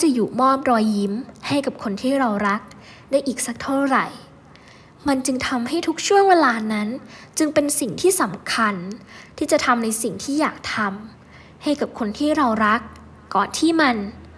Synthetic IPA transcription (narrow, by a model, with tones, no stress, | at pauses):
a˥˩t͡ɕa˨˩juː˨˩mɔː˥˩p̚ɾɔː˧jːi˦˥mha˥˩jka˨˩p̚kʰo˧nt̪ʰiː˥˩ɾa˧wɾa˦˥k̚ | da˥˩jʔiː˨˩k̚sa˨˦˥k̚t̪ʰa˥˩ɾa˨˩j | ma˧nt͡ɕɯ˧ŋt̪ʰa˧mɦa˥˩jt̪ʰu˦˥k̚t͡ɕʰu˥˩əŋweː˧laː˧na˦˥nt͡ɕɯ˧ŋpe˧nsi˨˩ŋt̪ʰiː˥˩sa˩˦mkʰa˧nt̪ʰiː˥˩t͡ɕa˨˩t̪ʰa˧mna˧jsi˨˩ŋt̪ʰiː˥˩jaː˨˩k̚t̪ʰa˧m | ha˥˩jka˨˩p̚kʰo˧nt̪ʰiː˥˩ɾa˧wɾa˦˥kː | ɔː˨˩nt̪ʰiː˥˩ma˧n